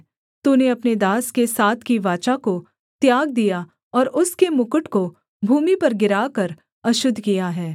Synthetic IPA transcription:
t̪uneɐpned̪aːskesaːt̪ʰkiʋaːt͡ʃako | t̪jaːɡ̚d̪ija | ɔːɾʊskemʊkʊʈko | bʱuːmipɐɾɡɪɾaːkɐɾ | ɐʃʊd̪ʱːkijaɦɛː

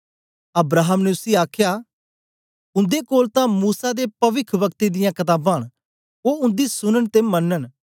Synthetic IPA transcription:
ɐbɾaːɦəmneʊsiːaːkʰjaː | ʊ̃nd̪ekoːlt̪ãmuːsad̪epɐʋɪkʰʋəkt̪ed̪ɪjãːkɐt̪aːbãːɽ̃ | oːʊ̃nd̪isʊnənt̪emɐnːən

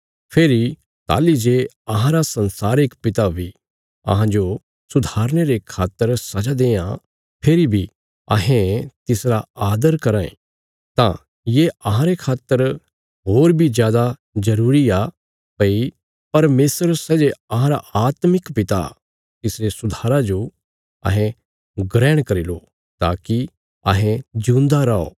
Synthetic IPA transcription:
pʰeːɾi | t̪a̰ːlid͡ʒe | ɐɦãɾasɐ̃nsaːɾɪkpɪt̪abʱi | ɐ̰ɦãd͡ʒo | sʊd̪ʱaːɾñeɾekʰaːt̪ːəɾsɐd͡ʒad̪ẽːã̰ | pʰeːɾibʱi | ɐ̰ɦẽt̪ɪsɾaaːd̪əɾkɐɾaːḛ̃ | t̪ã̰ | jeɐɦãɾekʰaːt̪ːəɾ | ɦoːɾbʱid͡ʒjaːd̪azɐɾuːɾia | pɐi | pɐɾmeːsɾsɛːd͡ʒeɐɦãɾaaːt̪mɪkpɪt̪a̰ | kɪsɾesʊd̪ʱaːɾad͡ʒo | ɐ̰ɦɛ̃ | ɡɾɛːɽ̃kɐɾilo | t̪a̰ːki | ɐ̰ɦẽd͡ʒũːnd̪aɾɐo̰ː

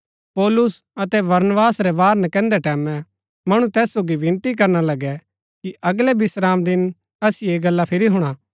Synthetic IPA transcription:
pɔːlʊsɐt̪ɛbɐɾnʋaːsɾɛʋaːɾnɛ̃kɛ̃ːnd̪ɛʈɛːmɛ̃ | mɐɽ̃ut̪ɛːsːoːɡiʋɪ̃nt̪ik̬ɐɾnalɐɡɛ | kiʔʔɐɡlɛbɪsɾaːmd̪ɪn | ɐsieːɡɐlːapʰɪɾiɦʊɽ̃aː

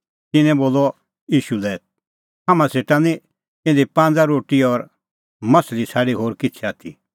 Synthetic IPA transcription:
t̪ɪnɛ̃boːlɔ | jiːʃulɛː | ɦamãseːʈãnĩ | ɪ̃nd̪ipãːnd͡zaɾoːʈiɔɾ | mɐslisʰaːɽiɦoːɾkɪt͡sʰɛaːt̪ʰḭ

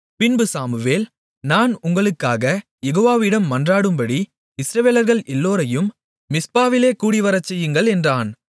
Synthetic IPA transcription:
pɪnbɯsaːmɯʋeːl | naːnʊŋɡɐɭɯkːaːɣɐ | jɛɣoːʋaːʋɪɽɐmːɐndraːɽɯmbɐɽi | ɪsɾɐʋeːlɐɾɣɐɭʔɛlːoːɾɐjɯmː | ɪspaːʋɪleːkuːɽiʋɐɾɐt͡ʃːɐjɯŋɡɐɭɛndraːn

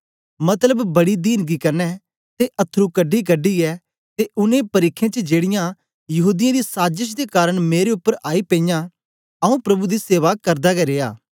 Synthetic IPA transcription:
mɐt̪ləbbɐɽid̪iːnɡikɐɾnɛ | t̪eʔɐt̪ʰːɾukɐɖːikɐɖːiɛː | t̪eʔʊnẽpɐɾiːkʰːẽt͡ʃəd͡ʒeːɽɪjã | jɐɦuːd̪ɪjãːd̪isaːd͡ʒəʃ̬d̪ekaːɾəɽ̃meːɾeʊpːəɾʔaːipẽĩːjã | ɐũpɾɐbud̪iseːʋakɐɾd̪aɡɛɾeːaː

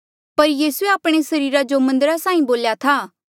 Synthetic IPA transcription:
pɐɾjiːsueaːpɽ̃esɐɾiːɾad͡ʒomɐ̃nd̪əɾasaːĩboːljat̪ʰaː

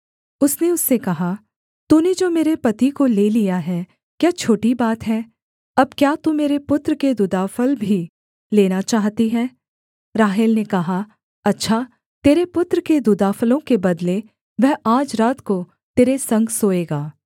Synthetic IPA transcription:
ʊsneʊsːekɐɦa | t̪uːned͡ʒoːmeːɾepɐt̪ikoleːlijaɦɛː | kjaːt͡ʃʰoːʈibaːt̪ɦɛː | ɐb̚kjaːt̪umeːɾepʊt̪ɾəked̪ʊd̪aːfəlbʱi | leːnat͡ʃaːɦt̪iɦɛː | ɾaːɦɪlnekɐɦa | ɐtːʃʰaː | t̪eːɾepʊt̪ɾəked̪ʊd̪aːfəlõkebɐd̪le | ʋɛɦʔaːd͡ʒɾaːt̪ko | t̪eːɾesɐ̃ŋɡsoːeːɡaː

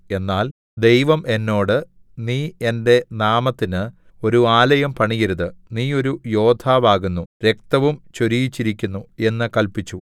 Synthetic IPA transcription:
e̞nːaːl | d̪e̞jʋɐme̞nːo̞ːɽɨ | niːende̞naːmɐt̪ːinɨ | o̞ɾuaːlɐjɐmpɐɳijɐɾuðɨniːo̞ɾujo̞ːd̪ʱʰaːʋaːɣunːuɾe̞k̚t̪ɐʋumt͡ɕo̞ɾijit͡ɕːiɾikʲːunːue̞nːɨkɐlpit͡ɕːu

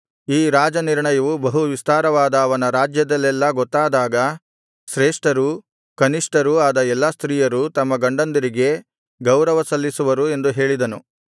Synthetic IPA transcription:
iːɾaːd͡ʒɐniɾɳɐjɐʋubɐɦuʋist̪aːɾɐʋaːd̪ɐːʋɐnɐɾaːd͡ʒjɐd̪ɐlːɛlːɐɡɔt̪ːaːd̪aːɡɐ | ʃɾɛːʂʈɐɾu | kɐniʂʈɐɾuaːd̪ɐɛlːast̪ɾiːjɐɾut̪ɐmːɐɡɐɳɖɐnd̪ɐɾiɡe̞ | ɡɐwɾɐʋɐsɐlːisuʋɐɾue̞nd̪uɦe̞ːɭid̪ɐnṵ

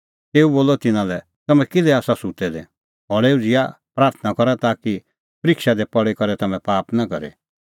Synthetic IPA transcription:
t̪eːuboːlɔt̪ɪnãlɛ | t̪ɐmɛ̃kɪlɛaːsasʊt̪ɛd̪ɛ̃ | ɦɔɽeːud͡zɪja̰ | pɾaːɾt̪ʰənakɔɾat̪aːki | pɐɾɪkʃad̪epɔɽekɐɾɛt̪ɐmɛ̃paːpnakɐ̰ɾḛ

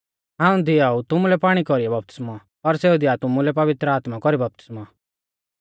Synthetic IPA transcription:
ɦãːũd̪ɪaut̪ʊmulɛpaːɽ̃ikɔɾiabɐp̚t̪ɪ̥sma | pɐɾsɛːud̪ɪat̪ʊmulɛpɐʋɪt̪ɾəaːt̪makɔɾibɐp̚t̪ɪ̥sma

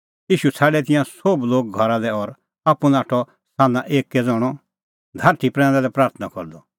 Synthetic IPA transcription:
jiːʃut͡sʰaːɖɛt̪̬ɪ̃jãsobloːk̚ɡʱɔɾalɛɔɾ | apunaːʈʰɔ | sãːnãʔeːkːɛd͡zɔɽ̃ɔ | d̪ʱaɾt̪ʰipɾɛ̃ːnd̪alɛpɾaːɾt̪ʰnakɔɾd̪ɔ

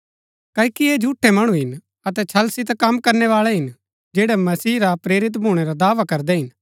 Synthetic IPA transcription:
kɐːikieːd͡ʒʱuːʈʰːemɐɽ̃uɦɪn | ɐt̪ɛt͡ʃʰɐlsit̪kɐmkɐɾneʋaːɭɛɦɪn | d͡ʒeːɽɛmɐsiːɾapɾeːɾɪt̪̬bʱuːɽ̃eɾad̪aːʋakɐɾd̪ɛɦɪn

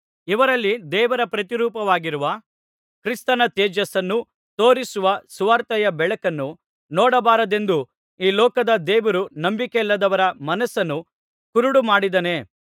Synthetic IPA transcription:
iʋɐɾɐlːid̪ɛːʋɐɾɐpɾɐt̪iɾuːpɐʋaːɡiɾuʋɐ | kɾist̪ɐnɐt̪eːd͡ʒɐsɐnːu | t̪oːɾisuʋɐsuʋaːɾt̪ɐjɐbɛɭɐkɐnːu | nɔːɽɐbaːɾɐd̪e̞nd̪u | iːlɔːkɐd̪ɐd̪ɛːʋɐɾunɐmbikelːɐd̪ɐʋɐɾɐmɐnɐsɐnːu | kuɾuɽumaːɽid̪ɐne̞

